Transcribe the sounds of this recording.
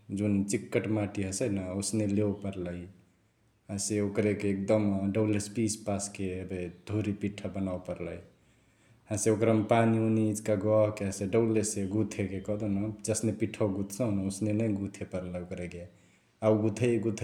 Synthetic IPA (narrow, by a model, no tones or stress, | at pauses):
d͡ʒunt͡ʃikːəʈmaʈiɦəsənaosnelewpəɾləj | ɦãseokɾekeːk̚d̪əmɖəlespispaskebed̪ʱoɾipiʈʰːəbənawpəɾləj | hãseokɾəmpaniuniːd͡ʒkaɡɔɦkeə̃seɖəwleseɡut̪ʰekekɔɦd̪onəd͡ʒəsnepiʈʰaɡut̪ʰsə̃nəosnenəjɡut̪ʰepəɾləokɾeke | auɡut̪ʰəjɡut̪ʰ